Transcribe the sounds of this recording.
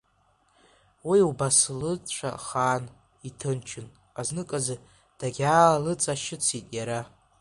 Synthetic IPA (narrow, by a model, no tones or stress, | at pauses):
wiubaslɨt͡ɕʷʰa̰χaːn | itʰɨnt͡ʃʰɪn | aznɨkʼazɨ | d̥aɡʲaːlɨt͡sʼaʃɪt͡sʰitʼjaɾa